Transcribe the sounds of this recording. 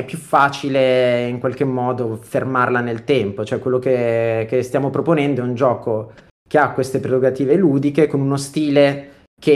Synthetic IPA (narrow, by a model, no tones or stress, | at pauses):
ɛpːjufːaːt͡ʃileiŋkwalk̟emːɔːd̪ofermarlanelt̪ɛmpot͡ʃoɛkːwelːokekest̪jaːmopɾoponɛnd̪oɛund͡ʒɔːko | keakːwest̪epɾeroɡat̪iːveluːd̪ikekonunost̪iːle | kʰe